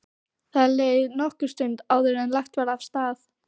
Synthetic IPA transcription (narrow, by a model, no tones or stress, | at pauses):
θaðleːjðnɔhkʏɾ̥st̪ʏnt̪aːwðʏɾɛnlajxt̪vaɾafst̪aːθ